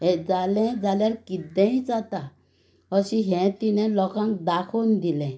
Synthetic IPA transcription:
ɦɛd͡zalɛ̃d͡zaljaɾkid̪ɛ̃ĩd͡zat̪a | əɕiɦɛ̃t̪inɛ̃lɔkãŋkd̪akʰond̪ilɛ̃

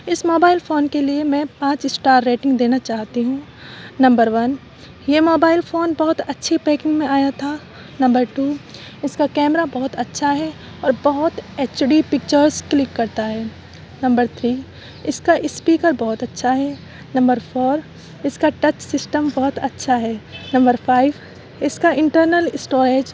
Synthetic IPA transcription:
ɪsmoːbaːɪlfoːnkeliemɛ̃ːpãːt͡ʃsʈaːɾːeːʈɪ̃ŋɡd̪eːnat͡ʃaːɦt̪iɦũ | nɐ̃mbəɾʋɐn | jemoːbaːɪlfoːnbɐɦʊt̪ɐtːʃʰipɛːkɪ̃ŋɡmẽaːjat̪ʰa | nɐ̃mbəɾʈuː | ɪskakɛːmɾabɐɦʊt̪ɐtːʃʰaɦɛ | ɔːɾbɐɦʊt̪eːt͡ʃɖipɪk̚t͡ʃəɾzklɪkːɐɾt̪aɦɛː | nɐ̃mbəɾt̪ʰɾiː | ɪskaʔɪspiːkəɾbɐɦʊt̪ɐtːʃʰaɦɛ | nɐ̃mbəɾfʰoːɾ | ɪskaʈɐt͡ʃsɪsʈəmbɐɦʊt̪ɐtːʃʰaɦɛːnɐ̃mbəɾfaːɪʋ | ɪskaɪ̃ɳʈəɾnəlɪsʈoːɾeːd͡ʒ

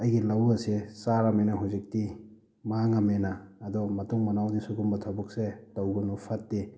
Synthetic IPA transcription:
ɐjɡilɐwɐsesaɾɐmenɐɦuwzik̚ti | maŋɐmenaːdɔmɐtuŋmɐnawdisuɡumbɐtʰabɔk̚setɐwɡɐnupʰatːi

